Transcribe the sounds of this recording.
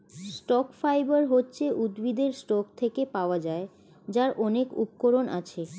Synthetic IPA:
sʈɔkfajbaɾɦotːɕʰeʔud̪bid̪eɾsʈɔkt̪ʰekepaoad͡ʑae | d͡ʑaɾʔɔnekṵpkoɾonʔa̰t͡ɕʰe

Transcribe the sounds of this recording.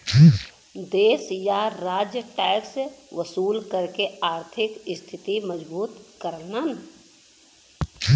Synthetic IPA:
d̪eːsjaɾaːd͡ʒjəʈɛːksʋəsuːlkəɾkeaːɾt̪ʰɪkɪst̪ʰɪt̪iməd͡ʒbuːt̪kəɾnən

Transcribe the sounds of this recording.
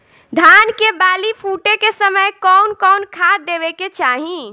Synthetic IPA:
d̪ʱankebalipʰuʈekesəməjkɔwnkɔwnkʰad̪ebeket͡ʃaɦĩ

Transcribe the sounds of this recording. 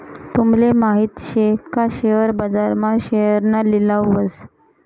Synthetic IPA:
t̪umlemaɦiːt̪ɕekaɕeəɾbəd͡zaɾmaɕejəɾnalilawʋəs

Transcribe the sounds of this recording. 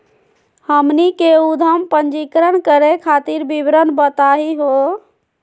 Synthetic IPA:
həmnikeud̪ʱəmpəɲd͡ʒikɾənkəɾekʰaːt̪iɾbibɾənbət̪aːɦiɦo

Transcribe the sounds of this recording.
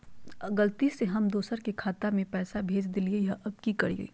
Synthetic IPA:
ɡɐlt̪iseɦɐmd̪oːsəɾkekʰaːt̪amẽpɛːsabʱeːd͡ʒd̪ɪliejɐʔɐb̚kikɐɾiḛ

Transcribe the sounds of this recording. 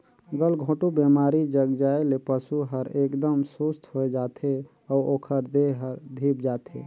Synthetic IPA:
ɡəlɡʱõʈubemaɾid͡ʒəɡd͡ʒaelepəsuɦəɾekd̪əmsust̪ɦoed͡ʒat̪ʰe | ɔoːkʰəɾd̪eɦəɾd̪ʱipd͡ʒat̪ʰḛ

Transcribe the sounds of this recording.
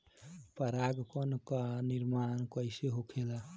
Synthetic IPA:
pəɾaɡkɔnkaniɾmankəɪseɦokʰela

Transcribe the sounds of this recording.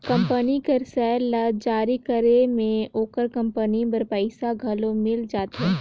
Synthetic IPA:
kɐ̃mpənikɐɾsɛːɾlɐd͡ʒaːɾikəɾemẽoːkəɾkɐ̃mpənibɐɾpəɪsaɡʱɐlõmɪld͡ʒaːt̪ɦɛː

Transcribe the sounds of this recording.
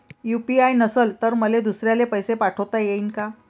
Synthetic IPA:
jupiajnəsəlt̪əɾməled̪usɾjalepəjsepaʈʰəwt̪ajeinka

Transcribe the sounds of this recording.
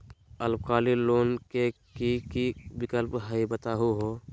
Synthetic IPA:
əlb̚kaːliloːnkekikibɪkəlpɦəibət̪aːɦuɦoː

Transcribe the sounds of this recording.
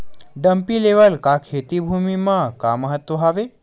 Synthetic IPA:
ɖəmpiːleʋəlkakʰet̪ibʱumimaka̰məɦət̪ʋəɦaʋe

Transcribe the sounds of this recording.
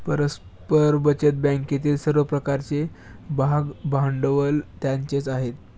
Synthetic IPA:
pəɾəs | pəɾbət͡ɕət̪̚bãŋket̪iːlsəɾʋəpɾəkaɾt͡se | bʱaɡbʱaɳɖəʋəlt̪jaɲt͡ɕet͡saɦet̪̚

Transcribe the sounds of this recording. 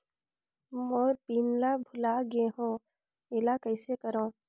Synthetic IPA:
moːɾpiːnlabʱʊlaɡeɦõː | eːlakəɪsekəɾõː

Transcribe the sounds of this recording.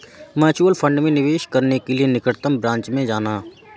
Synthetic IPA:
mɛːt͡ʃuːəlpʰə̃ɳɖmẽnɪʋeːʃkəɾnekelienɪkəɾt̪əmbɾãːɲt͡ʃmẽd͡ʒaːnaː

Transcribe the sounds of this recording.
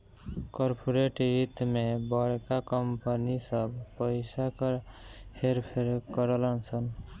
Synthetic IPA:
koɾpʰoɾeʈit̪mebəɽkakəmpənisəbpəɪsak | heɾpʰeɾkəɾlənsʰən

